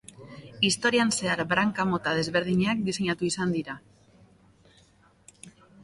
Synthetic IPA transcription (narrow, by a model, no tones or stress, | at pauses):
ist̪o̞ɾianse̞aɾbɾaŋkamo̞t̪að̞e̞zβe̞ɾð̞iɲeak̚d̪ise̞ɲat̪uisand̪iɾa